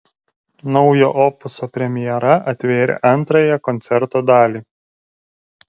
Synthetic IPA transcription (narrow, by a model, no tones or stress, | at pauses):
nɒʊjoːʔɔpʊsoːpʲɾʲɛmʲɪjɛɾɐɐt̪ʲʋʲeːɾʲɛ̰ʔɐnˑt̪ɾɐjɛkɔnʲt̪sʲɛɾt̪oːd̪ɑːlʲiː